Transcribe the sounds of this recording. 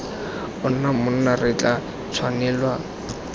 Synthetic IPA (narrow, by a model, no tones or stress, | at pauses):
ʊn̩namʊnnarɪt͡ɬʼa | t͡sʰwanɪːlwa